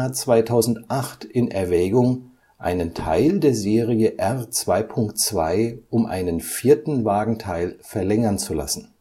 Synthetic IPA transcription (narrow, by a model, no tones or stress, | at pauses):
at͡sv̥aɪtʰaʊzn̩tʔaχtɪnʔɛɐvɛːɡʊŋ | ʔa̰ɪnəntʰa̰ɪldeːɐzeːʁiəʔɛʁt͡sv̥aɪpʰʊŋktt͡sv̥a̰ɪʔʊmʔa̰ɪnənfiːɐtn̩vaːɡŋ̩tʰaɪlfɛɐlɛŋɐnt͡sula̰sn̩